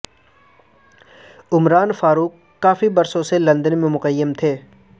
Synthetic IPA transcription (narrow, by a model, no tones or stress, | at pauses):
ʊmɾaːnfaːɾuːk | kːaːfibɐɾsõselɐ̃nd̪ənmẽmʊqəjːəmt̪ʰeː